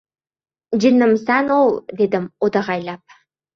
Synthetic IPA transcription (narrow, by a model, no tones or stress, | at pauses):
d͡ʒinːə̆msænolˠd̪ed̪əmod̪ɑʁɑjlʲˠɑp̚